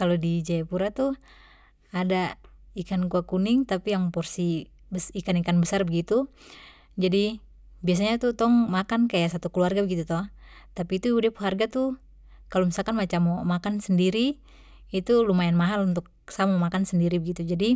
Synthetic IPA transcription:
kalodid͡ʒajapuɾat̪u | adaikankuakunɪŋt̪apijaŋpɔrsi | bəsikanikanbəsarbəɡit̪u | d͡ʒadi | bias̬aɲat̪ut̪ɔŋmakankajaʔsat̪ukəluarɡabəɡit̪ut̪ɔh | t̪apiːt̪uudɛpɦarɡat̪u | kalomisalkanmat͡ʃamːɔmakansəndiɾiː | t̪ulumajanmaɦalunt̪ʊk̚ | samɔmakansəndiɾibəɡit̪ud͡ʒadi

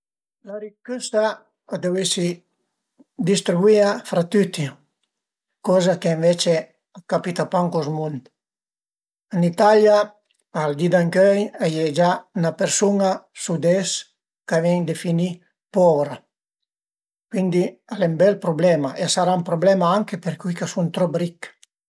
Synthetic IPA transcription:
laɾikyst̪a | ad̪ewesi | d̪ist̪ɾibwiafɾat̪yt̪i | kɔzakeɱvɛt͡ʃe | akapit̪apaŋkɔsmunt̪ | ənit̪alja | ald̪id̪aŋkøjajed͡ʒanapeɾsuŋasud̪ɛs | kavɛŋd̪efini | pɔvɾa | kwind̪ialɛmbɛlpɾublɛmaʔesaɾaumpɾoblɛmaaŋkepeɾkujkasunt̪ɾɔpɾik

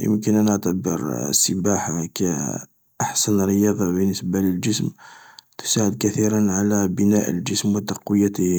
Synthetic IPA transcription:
jə̰mkənænəʕt̪abəɾsːəbaħakæ | ʔaħsænɾəjɑd̪ˤɑbənːəsbaləld͡ʒəsmt̪ʊ̥saʕəd̪̚kæθiɾənʕalæbənæʔə̰ld͡ʒəsmwət̪ɑqwəjːæt̪əh

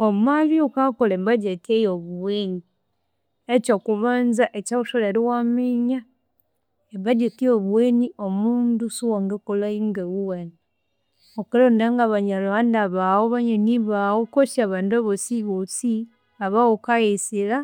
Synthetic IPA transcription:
omaliokakolembaɟetiejoβuweɲi | et͡ʃokuβaːnzaʔecauʃoleɾiwamiɲa | ebaɟetioβuweɲiomuːndusuwaŋɡekolaiŋɡewuwani | okalondaŋɡaβaɲalβandaβawoβaɲaniβawokosaβaːndaβosiɣosi | aβawokajisila

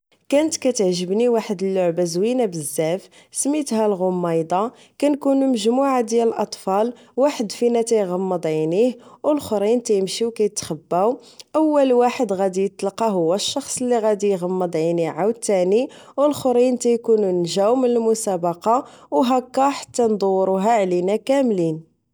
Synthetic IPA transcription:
kænət̪kæt̪əʕʒəbniwaħəd̪əlːʊʕbæzwinabəzːæf | smit̪hælɣʊmːɑjd̪ˤɑ | kænkunuməʒmuʕad̪jæləlʔɑt̪ˤfɑl | waħəd̪finæt̪æjɣɑmːəd̪ˤʕinihwəlxɾint̪æjəmʃiwkæjət̪xəbːæwʔəwːəlwaħəd̪ɣæd̪ijət̪ːlqɑɦʊwːæʃːɑxsˤəlːiɣæd̪ijɣɑmːəd̪ˤʕiniʕawt̪ːæniwəlxɾint̪æjkununʒæwmənəlmʊsæbɑqɑwɦækːɑħḁt̪ːænd̪ˤuwɾuɦæʕlinækæmlin

